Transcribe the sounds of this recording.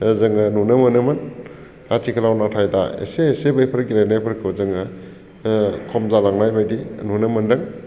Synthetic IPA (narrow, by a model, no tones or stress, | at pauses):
zɯŋɯnunɯmɯnɯmɯn | atʰikʰəlawnatʰajda̰ḛseːsebajpʰɐɾɡilajnajpʰəɾkʰɯwzɯŋɯ | kʰɔmzalaŋnajbajdinunɯmɯndɯŋ